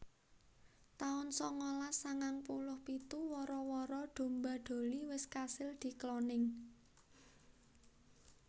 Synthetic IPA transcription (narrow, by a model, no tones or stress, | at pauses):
t̪aʊnsɔŋolasaŋaŋpulʊhpit̪uwɔɾɔwɔɾɔɖ̪̥o̤mbaɖ̪̥o̤liwɪskasɪld̪̥i̤klɔnɪŋ